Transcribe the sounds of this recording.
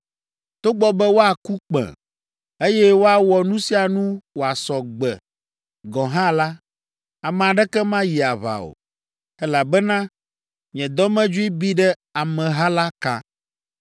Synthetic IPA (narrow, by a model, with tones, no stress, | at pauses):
t̪o˦ɡ͡bɔ˦bɛ˦wo˦a˨ku˦k͡pɛ̰̃˨ | e˦jɛ˦wo˦a˨wɔ˨nũ˦si˦a˨nũ˦wo˨a˨sɔ˨ɡ͡bɛ̰˨ | ɡɔ̃˨ɦã˦la˦ | a˨mɛ̃˨a˨ɖɛ˦kɛ˦mã˦ji˨a˨βa̰˨o̰˨ | ɛ˦la˨bɛ˦nã˦ | ɲ˨ɛ̃˨d̪ɔ˦mɛ̃˦d͡ʒu˦i˦bi˦ɖɛ˦ | a˨mɛ̃˨ɦa˦la˦ka̰˦